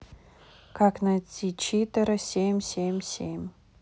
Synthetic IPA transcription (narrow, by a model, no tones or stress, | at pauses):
kaknat͡sʲit͡ɕit̪əɾəsʲemʲsʲemʲsʲemʲ